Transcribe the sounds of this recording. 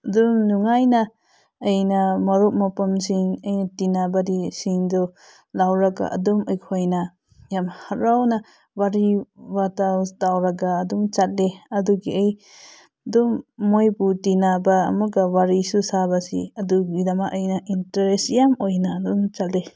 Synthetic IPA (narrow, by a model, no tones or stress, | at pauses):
ɐdumnuŋajnaː | jnamɐɾup̚mapamsiŋɐjnatinabadisiŋdɔ | lawɾaɡa̰ʔɐ̰dumɔjkʰojna | jamhaɾawna | waɾiwatawtawɾaɡaːdumt͡ʃat̚leɐduɡiej | dɔmːojbutinaba̰ːmaɡawaɾisusabasḭɐduɡidamaʔɐjnaʔintaɾesjamojnaːdumt͡ʃatle